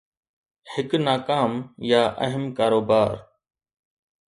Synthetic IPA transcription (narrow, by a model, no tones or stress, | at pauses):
hɪknaːkaːmjaːʔə̰ɦəmkaːɾoːbaːɾ